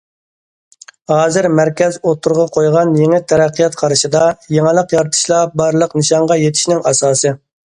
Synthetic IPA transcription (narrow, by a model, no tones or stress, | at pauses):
ɦɑːzɪɾmæɾkʲɛzot̪ʰːuɾʁɑqʰojʁɑnjeŋɪt̪ʰɛɾɛqʰːijɑt̪qʰɑɾɨʃɨd̪ɑjeŋɪlˠəqjɑɾt̪ʰɨ̥ʃlˠɑbɑɾlˠəqnɨʃɑɴʁɑjet̪ʰɪʃnɪŋɑsɑːsɨ